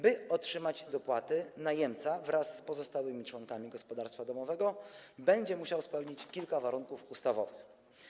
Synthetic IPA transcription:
bɘɔtʂɘmad͡ʑd̪ɔpwat̪ɘnajɛmt̪savɾasːpɔzɔst̪awɘmʲit͡ʂwɔŋkamʲiɡɔspɔd̪aɾst̪fad̪ɔmɔvɛɡɔbɛɲd͡ʑɛmuɕawspɛwɲit͡ɕkʲilkavaɾuŋkufust̪avɔ̰vɘx

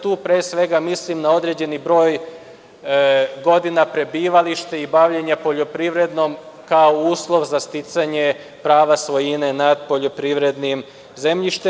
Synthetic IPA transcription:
t̪uːpɾeːsʋe̞ɡamislimnao̞d̪ɾed͡ʑe̞nibɾo̞ːj | ɡo̞d̪inapɾe̞biːʋaliʃt̪eibaʋʎeɲapo̞ʎo̞pɾiʋɾe̞d̪nom | kaouːslˠo̞ʋzast̪it̪saɲe̞ | pɾaːʋasʋo̞jinenad̪̚po̞ʎo̞pɾiʋɾe̞d̪nim | ze̞mʎiʃt̪e

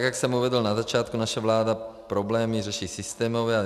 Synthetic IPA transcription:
ɡaksɔmuʋɛd̪ɔlnazat͡ʃɪat̪kunaʃaʋlaːd̪apɾɔblɛːmiɾɛʃisist̪ɛːmɔʋɛa

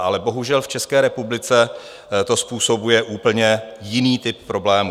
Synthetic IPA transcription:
ʔalɛbo̞ɦuʒɛlft͡ʃɛskɛːɾɛpublɪt͡sɛ | t̪o̞spuːso̞bujɛʔuːpl̩ɲɛjɪniːt̪ɪppːɾo̞blɛːmu

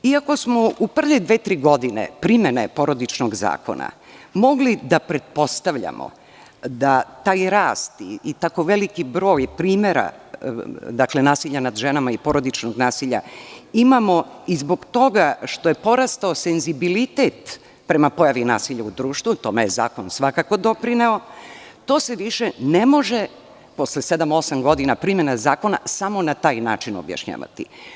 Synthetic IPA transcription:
iako̞smo̞upr̩ʋed̪ʋeːt̪ɾiːɡo̞d̪inḛpɾimje̞ne̞po̞ɾo̞d̪it͡ʃnoɡza̰ːko̰na̰ | mo̞ɡlid̪apɾe̞t̪̚po̞st̪aʋʎa̰mo̰ | d̪at̪aːjɾaːst̪iit̪ako̞ʋelikibɾo̞ːjpɾiːmeɾa̰ | d̪akle̞naːsiʎanad̪ʒenamaipo̞ɾod̪it͡ʃnoɡnaːsiʎa̰imamo̞izbo̞ɡt̪o̞ɡaʃt̪o̞je̞po̞ɾast̪aosenzibilit̪e̞t̪ | pɾe̞mapo̞jaʋina̰ːsiʎaud̪ɾuːʃt̪ʋut̪o̞mejeza̰ːko̞nsʋakako̞d̪o̞pɾineo̞t̪o̞ːse̞ʋiʃene̞mo̞ʒe | po̞slese̞d̪amo̞samɡo̞d̪inapɾime̞nazaːko̞nasamo̞nat̪aːjnaːt͡ʃino̰bja̰ʃɲa̰ːʋa̰t̪ḭ

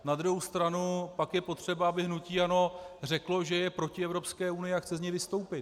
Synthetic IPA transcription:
nad̪ɾuɦowst̪ɾanupakjɛpo̞t̪r̝̥ɛbaabɪɦnuciːano̞r̝ɛklo̞ʒɛjɛpɾo̞cɪɛvɾopskɛːunɪjɪaxt͡sɛzɲɛjvɪst̪o̞wpɪt̪

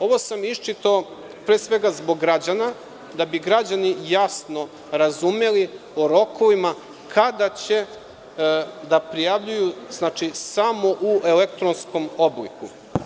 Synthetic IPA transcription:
o̞ʋo̞samiʃt͡ʃit̪ao | pɾeːsʋe̞ɡazbo̞ɡːɾad͡ʑana | d̪abiɡɾad͡ʑanijasno̞ | ɾazumelioɾo̞kʰo̞ʋima | kʰad̪at͡ɕe̞ | d̪apɾijaʋʎujuznaːt͡ʂisamo̞ʔuʔe̞lek̚t̪ɾonsko̞mo̞bliku

